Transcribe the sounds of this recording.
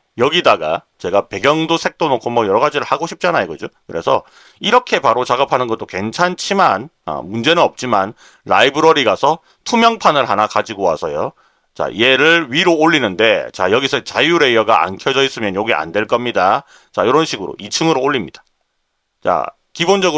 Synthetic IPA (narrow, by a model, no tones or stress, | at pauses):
jʌɡidaɡa̰ | t͡ɕe̞ɡape̞ɡjʌŋdosʰe̞k̚t͈onokʰomʌjʌɾʌɡad͡ʑiɾɯɭhaɡoɕʰi̥p̚t͡ɕ͈anajeɡʌd͡ʑokɯɾe̞sʰʌ̰ | iɾʌkʰe̞paɾot͡ɕaɡapʰanɯnɡʌt͈oke̞nt͡ɕʰant͡ɕʰiman | ʌ̰mund͡ʑe̞nɯnʌp̚t͡ɕ͈iman | ɾaibɯɾʌɾiɡasʰʌ | tʰumjʌŋpʰanɯɭɦanakad͡ʑiɡowa̰sʰʌjo | t͡ɕa̰ḭe̞ɾɯɭɥiɾoːʎːinɯnde̞t͡ɕa̰jʌɡisʰʌt͡ɕajuɾe̞jʌɡaa̰nkʰjʌd͡ʑʌis͈ɯmjʌnjʌɡia̰ndwe̞ɭk͈ʌmɲida | t͡ɕajiɾʌnɕʰiɡɯɾo̰ʔit͡ɕʰɯŋɯɾoːɭːimɲid̥ḁ | t͡ɕa̰ | kibond͡ʑʌɡɯ